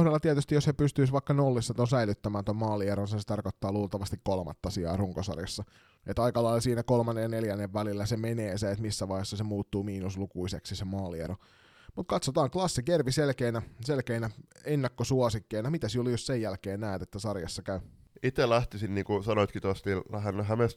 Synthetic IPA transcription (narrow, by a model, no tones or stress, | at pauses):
ohdɑlːɑt̪iæt̪yst̪ijoshepyst̪yisʋɑikːɑnolːisːɑt̪onsæilyt̪ːæmæːnt̪ommɑːlieɾonsɑset̪ɑrkot̪ːɑːluːlt̪ɑʋɑst̪ikkolmɑ̰t̪ːɑsiɑ̰ːruŋkosɑ̰rjɑsːɑ | et̪ɑikɑlɑilsiːnækolmɑnːejɑneljænːeʋʋælilːæsemeneːseet̪misːæʋɑihesːɑsemuːt̪ːuːmiːnuslukuiseksisemɑːliḛɾo | mut̪kɑt̪sot̪ɑːŋklɑsːikerʋiselkeːnæselkeːnæenːɑkːosuosikːeːnɑmit̪æsiolijossejjælkeːnnæːt̪et̪ːæsɑrjɑ̰sːɑkæy | it̪elæht̪isinniːŋkusɑnoit̪kit̪uɑst̪ihænɦæmest̪